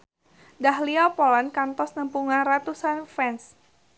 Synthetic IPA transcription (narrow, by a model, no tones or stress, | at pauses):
daɦliapɔlankant̪ɔsnəmpuŋanrat̪usanfɛns